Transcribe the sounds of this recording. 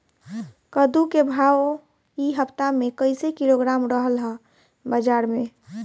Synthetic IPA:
kəd̪ukebʱao | iɦəpt̪amẽkəɪsekiloɡɾaːmɾəɦəlɦə | bəd͡ʒaːɾmẽ

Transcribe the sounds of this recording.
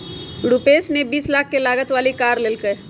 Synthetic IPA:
ɽupeːsnebiːslaːkʰːelaːɡət̪ʋaːlikaːɾleːlkəe

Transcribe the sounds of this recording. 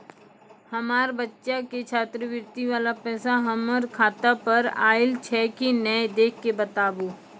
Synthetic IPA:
hɐmaːɾbətːʃaket͡ʃʰaːt̪ɾəʋɪɾt̪iʋaːlapɛːsaɦɐməɾkʰaːt̪apɐɾa̰ːɪlt͡ʃʰɛːkinɛːd̪eːkʰːebɐt̪aːboː

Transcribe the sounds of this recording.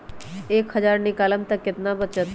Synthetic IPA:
eːkhəd͡ʒaːɾnɪkaːləmt̪ɐkːɪt̪nabət̪t͡ʃət̪

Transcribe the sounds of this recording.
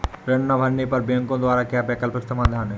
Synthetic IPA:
ɾenːabʱanːipaɾbeŋkod̪oaɾakeabɛkalpekt̪amad̪ʱane

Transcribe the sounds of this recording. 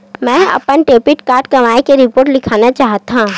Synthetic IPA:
mɛ̃ːɐ̰pənʈeːpɪʈkaːɾʈkɐmaːekeɾɪpoːɾʈlɪkʰaːnat͡ʃaːɦt̪ɦãː

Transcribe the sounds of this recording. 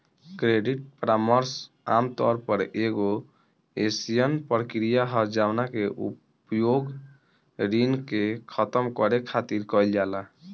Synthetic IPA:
kɾeɖiʈ̚pɾaməɾs | a̰mt̪ɔ̰ɾpəɾeɡo | esijənpɾkɾijaɦəɾd͡ʒawnakeʔṵp | joɡ | ɾinkekʰət̪əmkɔɾekʰat̪iɾkɔjld͡ʒala

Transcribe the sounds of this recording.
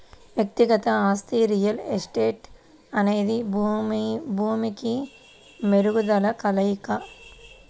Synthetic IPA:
ʋjɐkt̪iɡɐt̪ɐaːst̪iɾijɐlesʈeːʈ | ɐneːd̪i | bʱuːmiki | meɾuɡud̪ɐlɐkɐlɐjkɐ

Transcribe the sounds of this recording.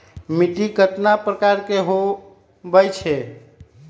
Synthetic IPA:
miʈikət̪napɾəkaɾkeɦo | bəjt͡ʃʰɛ

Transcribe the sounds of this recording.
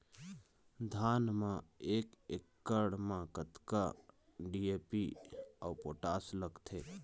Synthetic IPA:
d̪ʱaːnmãeːkekːəɽmãkət̪ka | ɖieːpiaʊpoːʈaːsləɡt̪ʰeː

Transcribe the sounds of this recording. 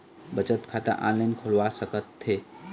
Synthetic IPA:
bət͡ʃət̪kʰat̪ə̰ɾʔã̰nlajnkʰolʋasəkət̪ʰːe

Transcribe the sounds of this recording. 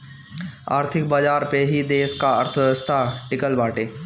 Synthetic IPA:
a̰ːɾt̪ʰɪk̚baːd͡ʒaːɾpeɦid̪eːskaəɾt̪ʰəst̪ʰaʈɪkəlbaːʈeː

